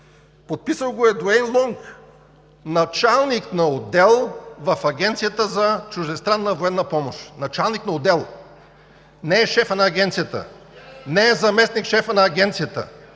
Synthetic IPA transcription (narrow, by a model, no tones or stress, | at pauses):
pot̪̚pisəlˠɡoɛd̪oɛnlˠɔŋk | nɐt͡ʃalˠniknɐod̪ɛlˠvɐfɐɡʲɛnt̪sijət̪əzɐt͡ʃʊʒd̪ɛst̪ɾanːəvoɛnːɐpɔmoʃnɐt͡ʃalˠniknɐod̪ɛlˠ | nɛɛʃɛfənɐːɡʲɛnt̪sijət̪ə̰ | nɛɛzɐmɛsnikʃɛfənɐːɡʲɛnt̪sijət̪ə̰